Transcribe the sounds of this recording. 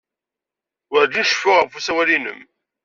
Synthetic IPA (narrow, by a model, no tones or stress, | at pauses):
wəɾd̪inʃəfʊʁəvfusæwælinə̰m